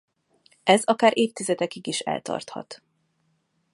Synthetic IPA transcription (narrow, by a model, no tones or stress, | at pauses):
ɛzɒkaːɾʔeːft̪izɛt̪ɛkiɡiʃɛ̰lt̪ɒ̰rt̪hɒ̰t̪